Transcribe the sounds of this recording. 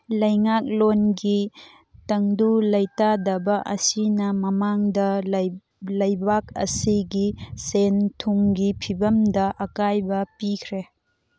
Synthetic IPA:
lɐjŋak̚lonɡi | tɐŋdulɐjtadɐbɐʔɐsinɐmɐmaŋdɐ | lɐjbak̚ɐ̰siɡisentʰuŋɡipʰibɐmdɐʔɐkajbɐpikʰɾe

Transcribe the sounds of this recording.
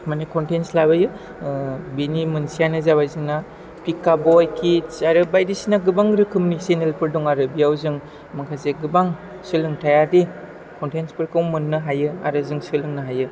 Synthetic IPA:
manekɔntenslabajɯ | binimɯnsijanɯzaβajzɯŋna | pikːabɔjkʰisaɾɯbajdisinaɡɯbaŋɾɯkʰɯmnisenelpʰɯɾduŋaɾɯbijawzɯŋ | makʰazeɡɯbaŋ | sɯlɯŋtʰajaɾdi | kɔntenspɯɾkʰɯwmɯnːɯɦajɯa̰ɾɯzɯŋsɯlɯŋnɯɦajɯ

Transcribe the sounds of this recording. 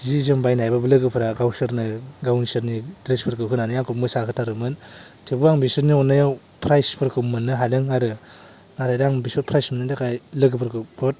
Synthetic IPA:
zizɯmbajnajbabɯlɯɡɯpʰɯɾaɡawsɯɾnɯɡawnisɯɾnidɾespʰɯɾkʰɯɦɯnanɯjaŋkʰɯp̚mɯsakʰɯtʰaɾɯmɯn | tʰebuaŋbisɯɾniɔnːajaw | pʰɾajspʰɯɾkʰɯpmɯnːɯɦalɯŋaɾɯ | naɾajdaŋbisɔtpʰɾajsmɯnɯdakʰajlɯɡɯpʰɯɾkʰɯbʰot̚

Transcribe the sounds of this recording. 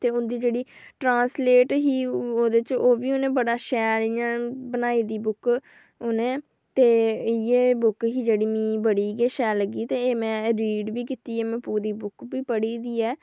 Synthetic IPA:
t̪eːʊnd̪iːd͡ʒeːɽiːʈɾãːnsleːʈɦiːoːd̪t͡ʃoːʋiːʊnẽːbəɽaːʃɛːlijãːbənaːiːd̪iːbʊk | ʊnẽː | t̪eːɪjeːbʊkɦiːd͡ʒeːɽiːmĩːbəɽiːɡeːʃɛːləɡiːt̪eːeːmɛ̃ːɾiːɖʋiːkiːt̪iːɛːmɛ̃ːpuːɾiːbʊkbiːpəɽiːd̪iːɛː

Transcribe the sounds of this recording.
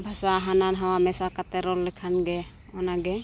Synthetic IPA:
bʱasaɦananɦawamɛsakat̪ɛɾɔlːɛkʰanɡɛ | ɔnaɡɛ

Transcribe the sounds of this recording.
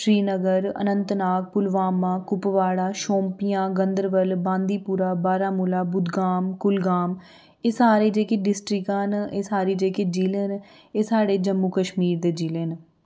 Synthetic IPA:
ʃɾiːnəɡəɾə̰nənt̪naːk̚pʊlʋaːmãːkʊpʋaːɽaːʃõːmpijãːɡənd̪əɾʋəlbãːnd̪iːpuːɾaːbaːɾaːmʊlaːbʊd̪ɡaːmkʊlɡaːm | eːsaːɾeːd͡ʒeːkeːɖɪsʈɾɪkaneːsaːɾiːd͡ʒeːkeːd͡ʒiːlen | eːsaːɽeːd͡ʒəmːuːkəʃmiːɾd̪eːd͡ʒiːleːn

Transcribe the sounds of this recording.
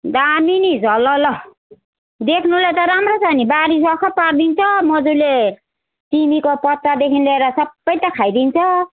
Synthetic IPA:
d̪aminid͡zʱʌlʌlʌ | d̪ekʰnulajt̪ʌɾamrot͡sanibaɾisʌkʰʌpard̪int͡sʰʌmʌd͡zule | timikopʌt̪ːad̪ekʰinleɾʌsʌbːʌjt̪ʌkʰajd̪int͡sʰʌ

